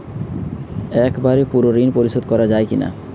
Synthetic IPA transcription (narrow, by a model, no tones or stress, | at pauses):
ɛkbaɾipuɾoɾinpoɾiʃod̪̚kɔɾad͡ʑaekina̰